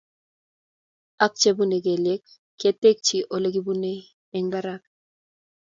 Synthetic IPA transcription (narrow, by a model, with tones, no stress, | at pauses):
a˦k̚t͡ʃe˦bu˦ne˨k̬e˨le˦k | kːe˦te˦k̚t͡ʃi˨ʔo˨le˦ɡi˦bu˦ne˦ | ɛ˦ŋba˦ɾa˦k̚